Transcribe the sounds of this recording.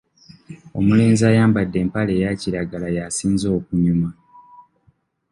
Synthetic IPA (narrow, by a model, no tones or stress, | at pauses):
o̞̰mule̞ːnziaːjaːmbadːe̞ːmpale̞ːjaciɾaɡalajasiːnzo̞ːkuɲuma